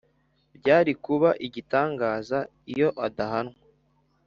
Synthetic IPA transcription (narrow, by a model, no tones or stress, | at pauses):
bɟaːɾikuβaʔiɟitaːŋɡaːza | ijo̞ʔadaɦanwa